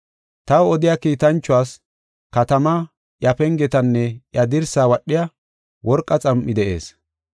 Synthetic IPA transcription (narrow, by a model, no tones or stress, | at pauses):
t̪ɐwɔd̪ɪjakiːt̪ɐnt͡ʃːʊwaːs | kɐt̪ɐmɐ | ʔjɐpɛŋɡɛt̪ɐnːɛʔjɐd̪ɪɾsaːwɐɗːɪjɐ | wʔɔɾkʼːɐt͡sʼɐmʔːɪd̪ɛʔe̞̰ːs